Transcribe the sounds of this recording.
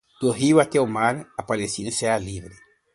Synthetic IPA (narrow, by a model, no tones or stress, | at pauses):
t̪oɦiwat̪eomaɾapalesinesealiβɾe